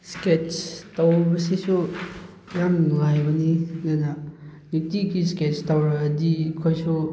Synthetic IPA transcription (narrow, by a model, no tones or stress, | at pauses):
sket͡ʃtawbɐsisu | jamnŋajbɐnizananitikisket͡ʃtawɾaːdikʰojsu